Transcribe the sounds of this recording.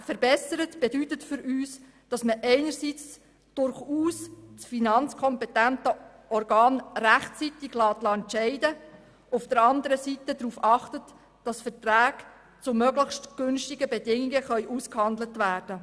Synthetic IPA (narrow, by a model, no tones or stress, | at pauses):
fəɾbɛsəɾətb̥edytətfʏɾyːs | d̥ɑsməʔɛɪnəɾsit͡s | d̥ʊɾχuːssfinɑnt͡skʰɔmpɛtæntə | ɔrɡɑːnræχt͡sitɪɡ̥lɑːt̪lɑɛnt͡ʃɛɪdə | ufd̥əɾɑnd̪əɾəsitədɾuːfɑχtət | d̥ɑsfətræːɡ | t͡sʊmœɡləχʃtɡ̥ʏnʃtɪɡəbɛdɪŋiɡəχœʏʔuskhɑnd̪lətʋæːrd̥ə